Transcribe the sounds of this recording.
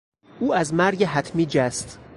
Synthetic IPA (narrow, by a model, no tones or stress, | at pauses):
uːæzmæɾɟeɦæt̪ʰmiːd͡ʒæst̪